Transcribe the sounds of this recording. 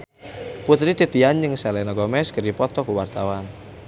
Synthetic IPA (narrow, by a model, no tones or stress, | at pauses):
put̪ɾit̪it̪ianjəŋsɛlɛnɔɡɔmɛskəɾipɔt̪ɔkuwart̪awan